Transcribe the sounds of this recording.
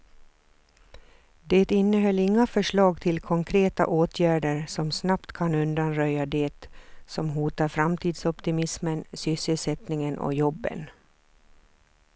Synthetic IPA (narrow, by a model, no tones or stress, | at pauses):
d̪et̪ɪnːəɦœlːɪŋːafœʂɭɑːɡt̪ʰɪlkʰɔŋkʰɾeːt̪a̰ʔoːt̪ʰjæːɖəɾsɔmsnapt̪kʰanɵnd̪anɾœjad̪ɛt̪sɔmɦuːt̪aɾfɾamt̪ʰiːd̪sɔpt̪ɪmɪsmənsʏsːəlsɛt̪nɪŋənɔ̰jɔbːə̰n